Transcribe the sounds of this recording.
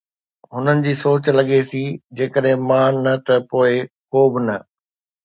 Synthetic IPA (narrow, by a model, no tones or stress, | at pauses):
ɦʊnənɪ̆d͡ʑiːsoːt͡ɕlɐɠesid͡ʑeːkəɗɦɪ̃mãːnɐt̪ɐpoːɪkoːbɪnɐ